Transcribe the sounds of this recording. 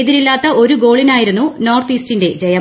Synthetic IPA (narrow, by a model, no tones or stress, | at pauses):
ðiɾilːaːt̪ːɐʔo̞ɾuɡo̞ːɭinaːjiɾunːuno̞ːrt̪iːstinde̞d͡ʑejɐ